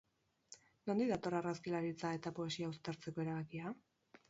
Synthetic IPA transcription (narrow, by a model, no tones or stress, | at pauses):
no̞nd̪iðat̪o̞raraskilaɾit͡sae̞t̪apoe̞siaust̪aɾt͡se̞ko̞e̞ɾaβakia